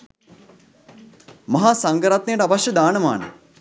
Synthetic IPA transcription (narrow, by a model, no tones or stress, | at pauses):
mɐɦaːsaŋɡəɾat̪nejəʈəaʋaʃjɐd̪aːnəma̰ːnə̰